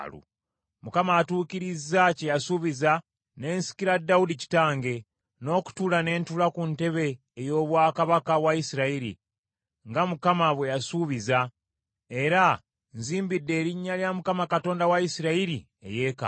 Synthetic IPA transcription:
lṵ | mukamaːtuːkiɾizacejasuβiza | ne̞ːnsi̥kiɾadːaudici̥taːŋɡe̞ | no̞ːku̥tulane̞ːntulakunte̞βe̞ː | jo̞ːβwaːkaβakawaisiɾaiɾḭ | ŋɡamukamaβwe̞jasuβiza | e̞ɾa | nziːmbidːe̞ːɾiɲːaljamukamakato̞ːndawaisiɾaiɾi | ḛje̞ːka̰

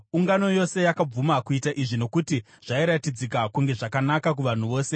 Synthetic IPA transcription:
uŋɡano̞jo̞se̞jakab͡vumakuitaʔiʐino̞kuti | ʐ̥aiɾatid͡zikakuŋɡe̞ʐakanakak̬uʋan̤uʋo̞ːse̞

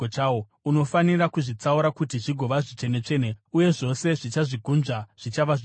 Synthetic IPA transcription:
t͡ʃawo | uno̞fanirakuʐit͡sauɾakutiʐiɡʱo̞ʋaʐit͡ʂe̞ne̞t͡ʂe̞ːneuje̞ʐo̞se̞ʐit͡ʃaʐiɡʱunʐaʐ̥it͡ʃaʋaʐ

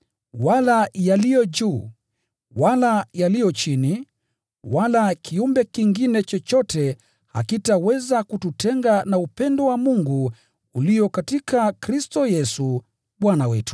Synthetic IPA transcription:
walajalijɔd͡ʒuː | walajalijɔt͡ʃini | walakʰiumbɛkiŋɡinɛt͡ʃɔt͡ʃɔtɛ | ha̰kitawɛzakututɛŋɡanaupɛndɔwamuŋɡu | ulijɔkatikakɾistɔjɛsu | ɓwanawɛtu̥

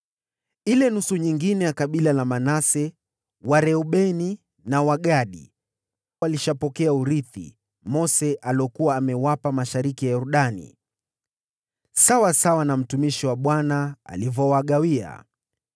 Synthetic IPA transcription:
ilɛnusuɲiŋɡinɛjakaɓilalamanasɛ | waɾɛuɓɛni | nawaɠaɗḭ | aliʃapɔkɛauɾiθḭ | mɔsɛʔaliɔkuwaːmɛwapamaʃaɾikijajɔɾuɗanḭ | sawasawanam̩tumiʃiwaɓwanaa̰livɔwaɠawia̰

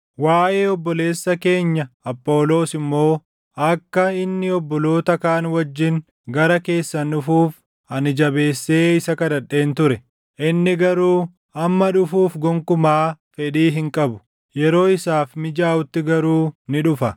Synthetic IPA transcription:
waːʔeːɔbːɔle̞ːsːɐke̞ːɲːɐɐpːo̞ːlo̞ːsɪmːo̞ː | ɐkːɐɪnːɪɔbːɔlo̞ːt̪ɐkaːnwɐd͡ʒːɪn | ɡɐɾɐke̞ːsːɐnʊfuːf | ɐnɪd͡ʒɐbe̞ːsːe̞ːɪsɐkɐd̪ɐɗːe̞ːnt̪ʊɾɛ | ʔɪnːɪɡɐɾuː | ɐmːɐᶑʊfuːfɡɔŋkʊmaːfɛᶑiːɦɪŋkʼɐbʊ̥ | jɛɾo̞ːɪsaːfmɪd͡ʒaːʊt̪ːɪɡɐɾuːnɪᶑʊfɐ

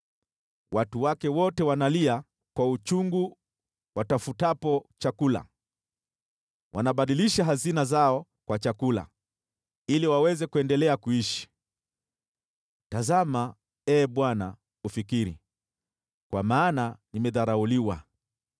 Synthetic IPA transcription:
wʔatuwakɛwɔtɛwanalia | kwaut͡ʃuŋɡu | watafutapɔt͡ʃakula̰ | wʔa̰naɓaɗiliʃaɦazinazaɔ | kwat͡ʃakula̰ | iliwawɛzɛkuɛndɛlɛakuiʃi̥ | tazama | ɛːɓwana | ufikiɾḭ | kwamaːnanimɛðaɾauliwa̰

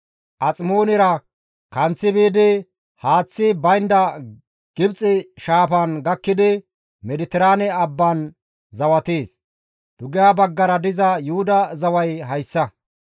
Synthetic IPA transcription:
ʔɐt͡sʼmo̞ːnɪɾɐ | kɐnt͡sːɪbiːd̪ɪ | haːt͡sːɪbɐjnd̪ɐ | ɡ̥ɪbt͡sʼɪʃaːpɐnɡɐkːɪd̪ɪ | mɛd̪ɪt̪ɪɾaːnɛɐbːɐn | zɐwɐt̪eːs | d̪̥ʊɡɪjabɐɡːɐɾɐd̪ɪzɐjʊhʊd̪ɐzɐwɐjɦɐjsːɐ

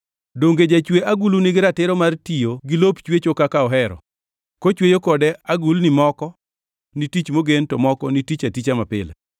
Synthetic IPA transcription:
doŋɡed͡ʒat͡ʃweʔaɡulunɪɡɪɾatɪɾɔmartijoɡɪlopt͡ʃwet͡ʃokakaɔɦɛɾɔ̰ | kot͡ʃwejokɔdɛaɡulnɪmɔkɔ | nitit͡ʃmoɡentɔmɔkɔnitit͡ʃatit͡ʃamapɪ̰lɛ̰

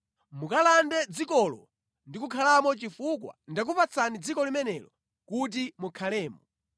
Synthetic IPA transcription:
mukalandɛd͡zikɔlɔ̰ | ndikukʰalamɔt͡ʃifukwa̰ndak̬upat͡sʰanid͡zikɔlimɛnɛlɔ | kut̬imukʰalɛːmɔ

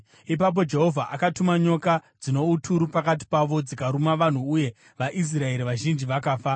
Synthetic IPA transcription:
ip̬ap̬o̞d͡ʒe̞ɦo̞vʱaʔakatumaɲo̞kad͡zino̞utʰuɾupakat̬i̥paʋo̞d͡zikaɾumaʋan̤uːje̞ | ʋaʔis̬rae̞ɾiʋaʒind͡ʒiʋakaːfa

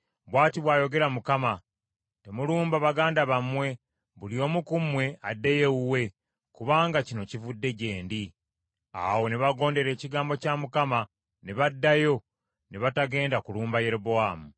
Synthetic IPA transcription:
βwaːtiβwaːjo̞ɡe̞ɾamukama | te̞muluːmbaβaɡaːndaβamwe̞ | βulio̞ːmukumwe̞adːeje̞uwe̞ | kuβaːŋɡacino̞civudːe̞ɟe̞ːndi | a̰wo̞neβaɡo̞ːnde̞ɾe̞ːciɡaːmbo̞camukama | neβadːajo̞ | neβataɡe̞ːndakuluːmbaje̞ɾoboaːmu

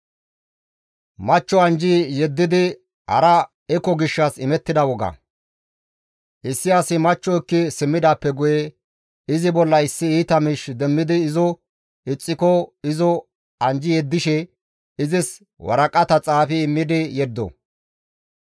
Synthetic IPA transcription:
mɐt͡ʃːɔɐnd͡ʒɪjɛd̪ːɪd̪ɪ | hɐ̰ɾɐ | ɛkːɔɡɪʃːɐsɪmɛt̪ːɪd̪ɐwɔɡɐ̰ | ʔɪsːɪɐsɪmɐt͡ʃːɔɪkːɪsɪmːɪd̪aːpːɛɡʊjɛ | ɪzɪbɔlːɐɪsːɪiːt̪ɐmɪʃd̪ɛmːɪd̪ɪːzɔ | ɪt͡sʼːɪkɔɪzɔ | ɐnd͡ʒɪjɛd̪ːɪʃɛ | ɪzɪs | wɐ̰ɾɐkʼɐt̪ɐt͡sʼaːfɪːmːɪd̪ɪjɛd̪ːɔ̰

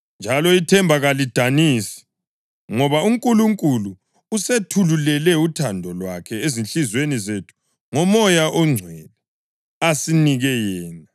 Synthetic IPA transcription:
nd͡ʒʱalɔitʰɛmbʱaɣalid̥ʱanisi̥ | ŋɔβauŋkʼuluŋkʼuluː | setʰululɛlɛutʰandʱɔlwakʰɛezinɬizwenizetʰu̥ | ŋɔmɔjaʔɔŋ͡ǀʱwɛlɛ | asiniɣɛjɛːna

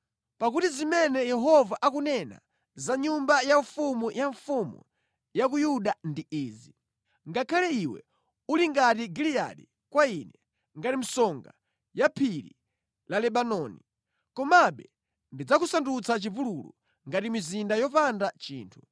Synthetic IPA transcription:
pak̬utizimɛnɛjɛɦɔvaʔakunɛna̰ | zaɲumbajaɱfumujaɱfumṵ | jak̬ujuɗandiiːzi | ŋɡakʰalɛiwɛ̰ | uliŋɡatiɡilia̰ɗi | kwainɛ | ŋɡatim̩sɔŋɡa | japʰiɾḭ | lalɛɓanɔni | kɔmaɓɛ | ndid͡zakusandut͡sat͡ʃivululṵ | ŋɡatimizindajɔpandat͡ʃḭːntʰu

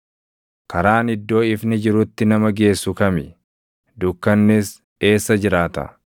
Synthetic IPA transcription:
kɐɾaːnɪd̪ːo̞ːɪfnɪd͡ʒɪɾʊt̪ːɪnɐmɐɡe̞ːsːʊkɐmɪ | d̪ʊkːɐnːɛs | e̞ːsːɐd͡ʒɪɾaːt̪ɐ̰

